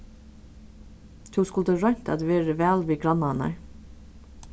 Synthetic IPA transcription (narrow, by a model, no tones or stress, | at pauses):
t̪ʰuːskʊld̪əɾœɲ̥t̪æ̰d̪ʋeːɾəʋæːlʋiːɡɾɑnːanæ̰ɹ